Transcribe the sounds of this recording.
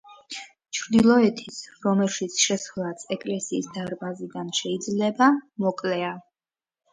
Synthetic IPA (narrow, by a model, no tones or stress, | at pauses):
t͡ʃʰɾd̪ilˠɔɛt̪ʰisɾɔmɛlˠʃit̪sʰʃɛsχlˠasʰɛkʼlɛsiːsd̪aɾbazid̪anʃɛid̪zlɛbamɔkʼlɛa